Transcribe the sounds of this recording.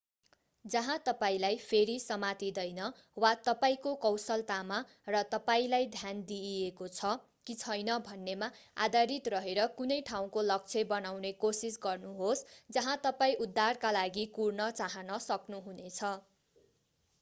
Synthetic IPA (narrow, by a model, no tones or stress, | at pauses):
d͡zʌɦãt̪ʌpaĩlajpʰeɾisʌmat̪id̪ʌjnʌ | wat̪ʌpaĩkokʌwsʌlt̪ama | rʌt̪ʌpaĩlajd̪ʱjand̪iekot͡sʰʌ | kit͡sʰʌjnʌbʱʌnːemaa̰d̪aɾit̪rʌɦeɾʌkunʌjʈʰaw̃kolʌk̚t͡sʰebʌnawnekosisɡʌrnuɦosd͡zʌɦãt̪ʌpaĩud̪ʱːarkalaɡikurnʌt͡saɦʌnʌsʌknuɦunet͡sʰʌ